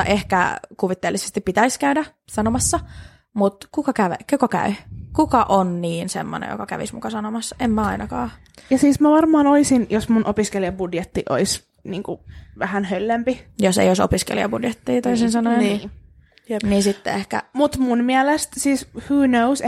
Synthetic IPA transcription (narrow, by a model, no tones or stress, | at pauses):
ʔehkæ̰kuʋit̪ːeːlːise̥st̪ippit̪æiskæydæ | sɑnomɑsːɑ | mut̪kukɑkæʋḛkokɑkæ̰ykukɑʔonniːnsḛmːo̰nḛjo̰kɑkæ̰ʋḭsmṵkɑsɑnomɑsːɑemːæɑinɑkɑ̰ː | jɑsiːsmæʋɑrmɑːnoisinjosmunʔopiskeliɑbudjet̪ːiʔo̰is | niːŋkuʋæhænhølːempijosḛijoso̰piskḛlḭɑ̰budjet̪ːiːt̪oisinsɑnojni | niːnsit̪ːḛehkæ̰mut̪munmiælest̪siːshuːnous